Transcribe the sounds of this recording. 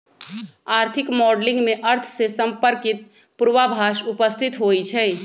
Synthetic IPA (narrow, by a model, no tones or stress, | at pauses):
aːɾt̪ʰɪkmɔːɖlɪ̃ŋɡmẽʔəɾt̪ʰsesə̃mpəɾkɪt̪̚ | pʊɾwabʱaːʃʊpəst̪ʰɪt̪ɦoːit͡ʃʰɛː